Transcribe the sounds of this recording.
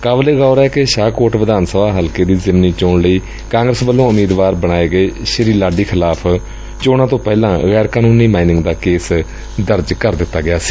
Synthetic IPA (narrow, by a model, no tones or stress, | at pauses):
kaːbleːɡaːʊɾɛːkɪʃaːkoːɾʈʋɪd̪aːnsəbaːɦəlkeːd̪iːzɪmniːt͡ʃoːɳləiː | kãːŋɡɾəsbəlːõːʊmiːd̪ʋaːɾbəɽ̃aːeːɡəeːʃɪɾiːlaːɖiːkʰɪlaːpʰ | t͡ʃoːɽãːt̪õːpɛːlãːɣɛːɾkaːnuːniːmaːinɪ̃ŋɡd̪aːkeːs | d̪əɾd͡ʒkəɾd̪ɪt̪ːaːɡɪjaːsi̥ː